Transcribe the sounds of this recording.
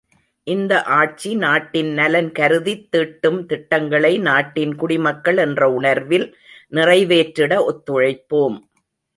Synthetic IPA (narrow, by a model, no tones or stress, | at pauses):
ʔɪnd̪ɐʔaːʈ̚t͡ʃinaːʈːɪnnɐlɐnkɐɾɯðit̪ːɪʈːɯmt̪ɪʈːɐŋɡɐɭɐɪnaːʈːɪnkʊɽɪmɐkːɐɭɛndrɐʊɳɐɾʋɪl | nɪrɐɪʋeːʈɾɪɽɐɔt̪ːɔɻɐɪpːoːm